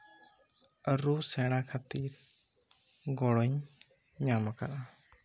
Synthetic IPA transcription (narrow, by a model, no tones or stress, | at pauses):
əɾusɛɽ̃akʰat̪iɾ | ɡɔɽɔɲ | ɲamaka̰ɾʔa